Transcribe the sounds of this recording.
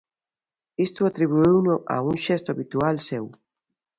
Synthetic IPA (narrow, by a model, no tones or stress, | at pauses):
ist̪uat̪ɾiβ̞uiwnʊʔa̰uŋʃɛst̪oaβit̪ualsew